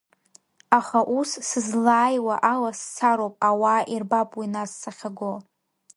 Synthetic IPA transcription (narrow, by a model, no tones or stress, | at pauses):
aχaʔussɨzlaːjwaʔalasːʰaɾowpʼawaːʔirbapʼwinasːaχʲaɡo